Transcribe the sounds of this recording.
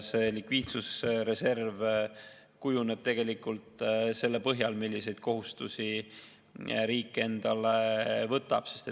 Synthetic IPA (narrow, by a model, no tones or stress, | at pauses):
se̞likviːt̪susre̞se̞rv | kujune̞b̥̚t̪e̞ɡ̥e̞likːult̪se̞lːepɤɦjɑlmilʲːise̞jd̪̥̚kʰo̞ɦust̪usi | ɾiːkːee̞nd̪̥ɑlevɤt̪ːˑɑ̰b̥se̞st̪e